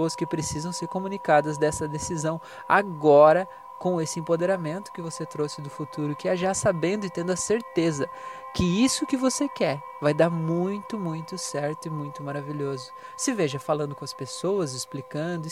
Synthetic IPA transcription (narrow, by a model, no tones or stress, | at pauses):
oɐskɪpɾesizɐ̃w̃seɾkomũnikad̪ɐzd̪ɛsɐd̪esizɐ̃w̃ | a̰ɡɔɾɐ | kõw̃esɪẽpod̪eɾamẽnt̪ʊ̥kɪvoset̪ɾosɪd̪ʊfut̪uɾʊkɪaʒasabẽnd̪ʊɪt̪ẽnd̪ʊɐseɾt̪ezɐ | kɪisʊkɪvosekɛɾ | vajd̪aɾmũj̃t̪ʊmũj̃t̪ʊsɛɾt̪ʊɪmũj̃t̪ʊmaɾaviʎɔzʊ | sɪveʒɐfalɐ̃nd̪ʊkõɐspesowɐzɪsplikɐ̃d̪ʊ